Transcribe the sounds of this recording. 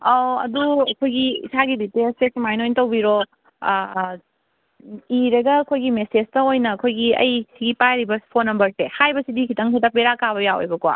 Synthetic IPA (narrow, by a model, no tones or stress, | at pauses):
oɐ̰duɐkʰojɡiḭsaɡiditespesimajnojntɐwbiɾo | iɾɐɡɐːkʰojɡimesestɐojnɐkʰojɡiɐ̰jsiɡipajɾibɐ̥pʰonːɐmbɐɾsehajbɐsidikʰitɐŋsidɐpeɾakaβɐjawo̰jbɐkwa̰